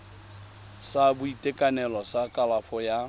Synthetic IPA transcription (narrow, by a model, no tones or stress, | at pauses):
sabʊitʼekʼanɛlɔsakʼalafɔja